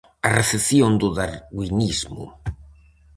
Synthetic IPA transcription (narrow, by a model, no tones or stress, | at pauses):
areθeθjõnd̪uðaɾɣwinizmṵ